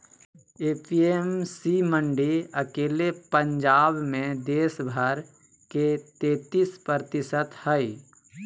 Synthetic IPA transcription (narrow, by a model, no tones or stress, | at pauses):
eːpiemsiməɳɖiəkeːlepə̃ɲd͡ʒaːbmẽd̪eːsbʱəɾ | ket̪eːt̪ispɾt̪ɪsət̪həi